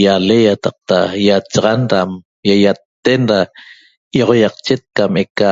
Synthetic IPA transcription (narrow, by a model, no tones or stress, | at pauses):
jalejat̪ɑq̚t̪ajat͡ʃɑʁɑnɾam | jajat̪ːenɾa | joʁojɑqt͡ʃet̪̚kameka